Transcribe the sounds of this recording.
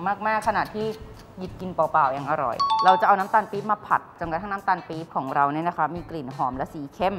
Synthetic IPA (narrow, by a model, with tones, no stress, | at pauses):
maː˥˩k̚maː˥˩kʰːa˧naː˨˩t̪ʰːiː˥˩ | ji˨˩t̪̚ki˧npɔː˨˩paː˨˩wja˨˧˨ŋʔa˧ɾɔ̰˨˩jɾa˧wt͡ɕa˨˩ʔa˧na˦˥mt̪aː˧npiː˦˥p̚maː˧pʰa˨˩t̪̚t͡ɕa˨˩mka˨˩t̪ʰːn˦˥mt̪aː˧npiː˦˥p̚kʰɔː˩˦ŋɾa˧wni˥˩na˦˥kʰa˦˥miː˧kli˨˩nɦɔː˩˦mlɛ˦˥siː˩˦kʰe˦˥˩m